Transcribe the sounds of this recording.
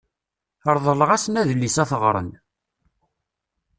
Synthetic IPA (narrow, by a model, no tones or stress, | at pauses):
əɾˤðˤələʁæsnæðəlːisæθəʁɾˤə̰n